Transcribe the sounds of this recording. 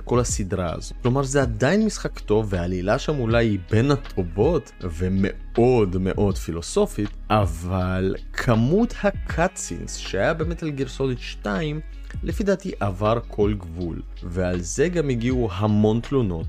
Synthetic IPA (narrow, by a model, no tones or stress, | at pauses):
ko̞lasidʁaa̰zoklo̞maʁzead̪ajinmisχakto̞vvːeaːlilaʃamulajibe̞nat̪ʰobot | vemḛ | o̞dme̞̰ʔo̞dfilo̞so̞fit̪ʔavalkʰamuthakʰat͡sḭnsʃeajabe̞ːme̞talɡiʁsonit̪ʃtaim | lʔefid̪at̪iʔavaʁkʰo̞lɡvṵl | vealze̞ɡamiɡiuɦamo̞nt̪luno̞t̪